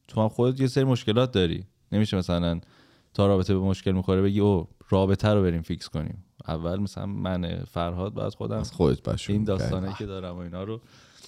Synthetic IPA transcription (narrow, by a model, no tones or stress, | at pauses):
t̪ʰoæmxod̪et̪̬ʰje̞seɾimoʃce̞lɒːt̪̚ʰd̪ɒːɾḭː | ne̞miʃemæsælæn | t̪ʰɒːɾɒːbe̞t̪ʰebemoʃce̞lmiːxo̞ɾebe̞ɟiːoɾɒːbe̞t̪ʰæɾobe̞ɾiːmficsko̞nḭːmæ̰vːælmæsæ̰læ̰nmʔænḛfæɾɦɒːd̪̚bɒ̰jæ̰d̪̥xo̞̰d̪æmxod̪et̪̚bʰæ̰ʃind̪ɒːsst̪ɒːnɒjikʰe̞d̪ɒːɾæmoinhɒːɾo